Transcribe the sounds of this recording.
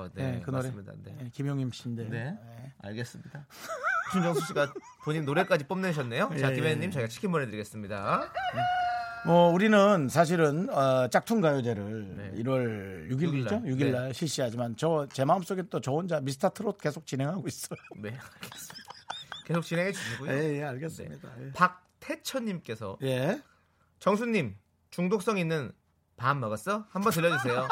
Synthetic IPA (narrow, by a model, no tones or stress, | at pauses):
ne̞kɯnoɾeida̰neekimjoŋɲimɕ͈indeejea̰ɭɡe̞s͈ɯmɲid̥at͡ɕʰuŋd͡ʑʌŋsʰuɕʰiɡa | poɲimnoɾe̞k͈ad͡ʑip͈ʌmnɯɕ̬ʰʌnːe̞joekkimeɲːimt͡ɕajɡat͡ɕʰi̥kʰimbonɾedɯɾiɡe̞s͈ɯmɲida | mʌuɾinɯnsʰaɕ̬ʰiɾɯnʌt͡ɕ͈ak̚tʰunɡajod͡ʑe̞ɾɯɭḭɾwʌɭjuɡiɭiojuɡiɭːaɭɕʰiɭɕ͈iɦad͡ʑimant͡ɕʌt͡ɕe̞maɯms͈oɡet͈ot͡ɕʌond͡ʑamisʰɯ̥tʰatʰɯɾot̚k͈e̞sʰok̚t͡ɕ͈inɦe̞ŋɦaɡois͈ʌjoneaɡesdkesʰok̚t͡ɕinɦeŋɦed͡ʑuɕiɡuejeaɭɡes͈mɲidajepak̚tʰe̞t͡ɕʰʌɲːimk͈e̞sʰʌ̰je̞ | t͡ɕʌŋs̬ʰuɲːim | t͡ɕuŋdok̚s͈ʌŋinːɯn | pamːʌɡas͈ʌhambʌntɯʎːjʌd͡ʑus̬ʰe̞jo